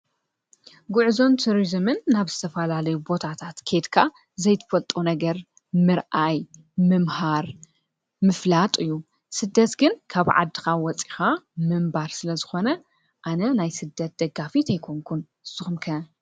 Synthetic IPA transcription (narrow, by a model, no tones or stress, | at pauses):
ɡʊʕzo̞nt̪ʰuɾizɨmɨnːaβz̥ɨt̪ʰɐfɐlalɐjubo̞t̪ʰat̪ʰat̪kʰe̞d̪kʰa | zɐjt̪ʰɨ̥fɐlt̪ʼunɐɡɐɾ | mɨɾʔaj | mɨmhaɾ | mɨflat̪ʼɨjːu | sɨd̪ːɐt̪ɡɨnkʰaβʕa̰d̪ːixawɔt͡sʼixamɨmbaɾsɨlɐzɨxo̞nɐ | ʔanɐnajsɨd̪ːɐt̪̚d̪̥ɐɡːafit̪ʰɐjkʰoŋkʰun | ɨz̥ɨxumkʰɐ